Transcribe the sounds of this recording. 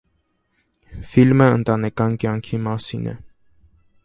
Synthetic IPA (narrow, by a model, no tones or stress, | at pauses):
filməənt̪ɑnɛkɑnkjɑŋkʰimɑsinɛ̰